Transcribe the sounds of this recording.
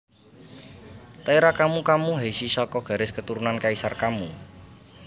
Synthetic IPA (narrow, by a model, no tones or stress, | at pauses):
t̪aiɾakamukamuɦejsisɔkɔɡ̥ä̤ɾɪskət̪uɾunankaisarkamu